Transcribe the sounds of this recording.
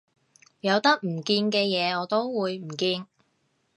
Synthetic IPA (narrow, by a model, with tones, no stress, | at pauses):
jɐ˨˧wt̪ɐ˥k̚m̩˨˩kiː˧nkɛː˧jɛː˨˧ɔː˨˧t̪o˥wwuː˨˧jm̩˨˩kiː˧n